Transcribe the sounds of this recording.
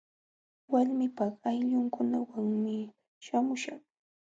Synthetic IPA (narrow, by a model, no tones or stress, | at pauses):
walmɪpɑχajʎʊŋkʊnawaŋmɪ | ʃamʊʃɑχ